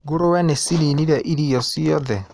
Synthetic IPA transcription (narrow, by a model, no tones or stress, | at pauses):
ɡoɾowɛnesiɾiniɾɛʔiɾiɔsiɔðɛ